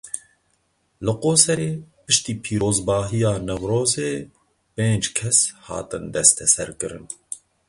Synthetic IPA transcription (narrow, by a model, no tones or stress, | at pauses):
lɨqoːsɛɾeːpɨʃt̪iːpʰiːɾoːzbɑːɦijɑːnɛwɾoːzeː | peːnd͡ʒkʰɛshɑ̰ːt̪ɨnd̪ɛst̪ʰɛsɛɾkɨɾɨn